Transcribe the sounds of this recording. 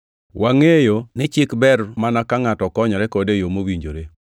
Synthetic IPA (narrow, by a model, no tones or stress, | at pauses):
waŋejonɪt͡ʃɪkbɛrmanakaŋatɔkɔɲɔɾɛkɔdejomowiɲd͡ʒoɾe